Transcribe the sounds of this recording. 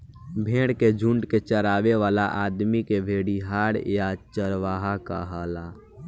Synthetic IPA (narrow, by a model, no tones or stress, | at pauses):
bʱẽːɽked͡ʒʱuɳɖket͡ʃəɾaːʋeʋaːlaʔaːd̪mikebʱeːɽiɦaːɽjat͡ʃəɾʋaːɦaka̰ɦəla